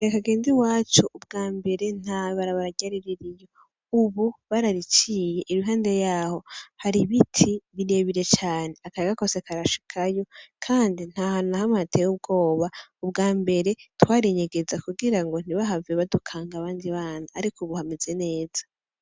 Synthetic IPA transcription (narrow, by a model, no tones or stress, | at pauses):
ekaɡe̞ːnziwaːt͡ʃoʔub̚ɡaːmbe̞ɾe̞n̥haβaɾaβaɾaɟaɾiɾiɾijo̞ | uβuβaɾaɾit͡ʃiːje̞ʔiɾuɦaːndejaːho̞haɾiβitʰiβiɾe̞ːβiɾe̞t͡ʃaːne̞akaɾekako̞sekʰaɾaʃi̥kʰajo̞kʰaːndin̥haːhannahamatʰejub̚ɡo̞ːβaubɡaːmbe̞ɾe̞twaːɾiɲeɡe̞zakuɡiɾaŋɡo̞n̥iβaɦaveβadukʰaːŋɡaβaːndiβaːnaːɾikʰuβuhamize̞ne̞ːz̥ḁ